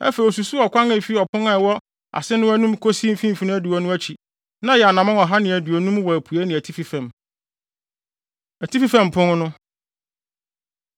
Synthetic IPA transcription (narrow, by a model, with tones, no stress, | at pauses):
æ̰˦fe˨i˨ɔ˨su˨su˦ɔ˨kʷʰã˦ŋæ˨fi˦ɔ˨pʰʊ̃˦ŋa˨ɛ˨wɔ˦ | a̰˨sɪ˦nʊ̃˦æ˦nũ˦mkʰo˦si˦m̩˨fĩ˦m̩˨fi˨nʊ̃˦æ˦du˨wɔ˦nʊ̃˦æ˦t͡ɕʰi˨ | nã˦jɛ˨a˨nã˨mã˦ɔ˨ɦa˦nɪ̃˨æ˨du˨ɔ˨nũ˦mwɔ˨æ˨pʰu˨æ˦nɪ̃˨æ˨tʰi˦fi˦fæ̃˨m | æ˨tʰi˦fi˦fæ̃˨m˨pʰʊ̃˦ŋ˦nʊ̃˦